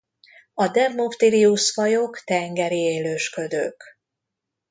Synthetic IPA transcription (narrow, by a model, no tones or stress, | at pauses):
ɒd̪ɛvmoft̪iɾiusfɒjokt̪ɛŋɡɛɾieːløːʃkø̞d̪øːk